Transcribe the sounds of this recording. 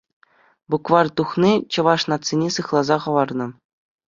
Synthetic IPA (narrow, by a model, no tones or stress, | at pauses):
bukʋɑrt̪uχnʲit͡ɕɤ̆ʋɑʂnɑt̪sʲenʲesɯχlˠɑzɑχɤ̆ʋɑrnɤ̆